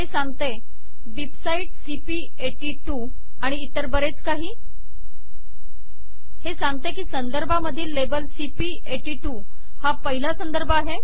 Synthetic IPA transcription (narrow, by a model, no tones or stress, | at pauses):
ɦesaŋɡ̚t̪e | ʋibsaiʈsipi | eʈiʈu | aɽ̃iːt̪əɾbəɾet͡skaɦiː | hesaŋɡ̚t̪ekiːsənd̪əɾbʱaməd̪ʱiːlːebəlsipiː | eʈiʈu | hapəɦilasənd̪əɾbʱəaɦe